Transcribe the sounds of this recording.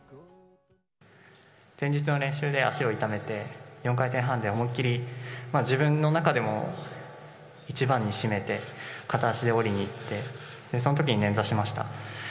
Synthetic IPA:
z̥ẽ̞ɲ̟d͡ʑit͡sɨno̞ɾẽ̞ɰ̃ɕɨːd̪e̞a̰ɕio̞it̪ame̞t̪e̞jõ̞ŋkait̪ẽ̞ɰ̃ɦãnd̪e̞omokʲːiɾʲimaːd͡ʑibɯ̟̃nːo̞nakad̪e̞mo̞̰ | it͡ɕibãɲ̟ːiɕime̞t̪e̞kat̪aɕid̪e̞o̞ɾʲiɲ̟iːt̪ːe̞ | d̪̥e̞so̞not̪o̞kʲiɲ̟inẽ̞nzaɕimaɕi̥t̪a̰

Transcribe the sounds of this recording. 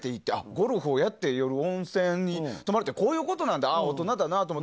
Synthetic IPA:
t̪e̞it̪ːe̞a̰ɡo̞ɾɯɸɯːjat̪ːe̞jo̞ɾɯ̟õ̞ñsẽɲ̟ːit̪o̞maɾet̪eko̞ːjɯ̟ːko̞t̪o̞nãnd̪aaot̪o̞nad̪anat̪omotː

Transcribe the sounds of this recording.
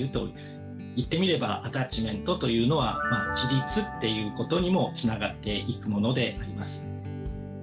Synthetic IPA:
ɯ̟t̪o̞̰ | it̪ːe̞mʲiɾe̞baʔat̪at͡ɕimẽ̞nt̪o̞t̪o̞jɯ̟ːno̞β̞a̰mat͡ɕiɾʲit͡sɨt̪ːe̞jɯ̟ːko̞t̪o̞ɲ̟imo̞t͡sɨnaɡat̪ːe̞ʔikɯ̟mo̞no̞d̪e̞ʔaɾʲimasɨ̥

